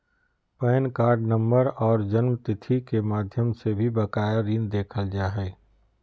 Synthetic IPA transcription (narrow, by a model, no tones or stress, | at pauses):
pɛːnkaːɾɖnɐ̃mbəɾɔːɾd͡ʒənmt̪ɪt̪ʰikemaːd̪ʱjəmsebʱibɐkaːjaɾĩːnd̪eːkʰəld͡ʒaːɦɛː